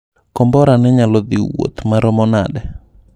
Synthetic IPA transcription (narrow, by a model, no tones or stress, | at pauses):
kɔmbɔɾanɛɲalɔd̪iwo̰t̪maɾɔmɔna̰dɛ